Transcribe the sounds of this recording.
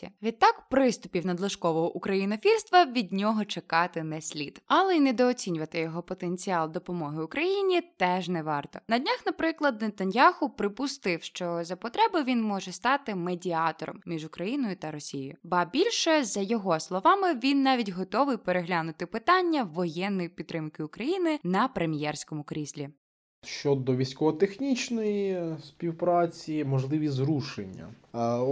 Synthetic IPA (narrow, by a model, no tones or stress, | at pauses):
ḭʋʲid̪̚t̪ɑkpɾɪst̪ʊpʲiwnɐd̪lˠɐʃkɔʋɔɦɔʔukɾɐjinɔfʲirst̪ʋɐʋʲid̪ʲnʲɔɦɔt͡ʃekɑt̪ɪnɛsʲlʲḭd̪ɐlˠɛinɛd̪ɔːt͡sʲinʲʊʋɐt̪ɪjɔɦɔpɔt̪enʲt͡sʲiɑlˠd̪ɔpɔmɔɦɪʊkɾɐjinʲit̪ɛʒnɛʋɑrt̪ɔnɐdʲnʲaxnɐpɾɪklˠɐd̪nɛt̪ɐnʲjaxʊpɾɪpʊst̪ɪwʃt͡ʃɔzɐpɔt̪ɾɛbɪʋʲinmɔʒɛst̪ɑt̪ɪmedʲiɑt̪ɔɾɔ̰mmʲiʒʊkɾɐjinɔjʊt̪ɐɾɔsʲijɪ̰jʊbɐbʲilʲʃɛzɐjɔɦɔslˠɔʋɑmɪʋʲinːɑʋʲidʲɦɔt̪ɔʋɪjpeɾeɦlʲanʊt̪ɪpɪt̪ɑnʲːɐʋɔjɛnːɔjipʲit̪ːɾɪmkɪʊkɾɐjinɪnɐpɾemʲjɛrsʲkɔmʊkɾʲizʲlʲi | ʃt͡ʃɔd̪ɔʋʲisʲkɔʋɔt̪exnʲit͡ʃnɔjispʲiwpɾɑt͡sʲimɔʒlˠɪʋʲizɾuʃenʲːɐ̰